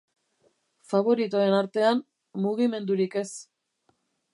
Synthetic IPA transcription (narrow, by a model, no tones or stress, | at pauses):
faβ̞o̞ɾit̪oe̞naɾt̪e̞an | muɣime̞nd̪uɾike̞s